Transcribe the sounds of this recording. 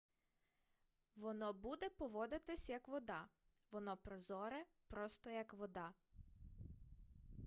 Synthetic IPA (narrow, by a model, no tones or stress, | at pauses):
ʋɔnɔbud̪ɛpɔʋɔd̪ɪt̪ɪsʲjɐkʋɔd̪ɑ | ʋɔnɔpɾɔzɔɾɛ | pɾɔst̪ɔjɐkʋɔd̪ɑ